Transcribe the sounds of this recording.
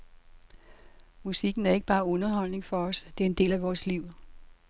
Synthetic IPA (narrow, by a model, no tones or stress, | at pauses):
musiɡ̥n̩æɐe̝ɡ̥əb̥ɑ̈ːɔ̽nɐɦɒ̽l̰ne̝ŋfɒ̽ɒ̽sd̥e̝æɐe̝nd̥e̝̰ːlæʋɒːsliʊ̰